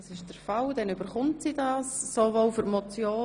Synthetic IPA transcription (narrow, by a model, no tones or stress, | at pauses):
sɪʃd̥əɾfɑldɛnybəɾχʊntsiːdɑːsːovowfyɾmɔt͡sjoː